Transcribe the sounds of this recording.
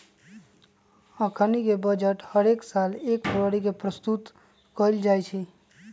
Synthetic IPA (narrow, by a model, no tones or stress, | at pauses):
əkʰənikebəd͡ʒəʈhəɾeksalekpʰəɾəɽikepɾəst̪ut̪ | kəld͡ʒajt͡ʃʰi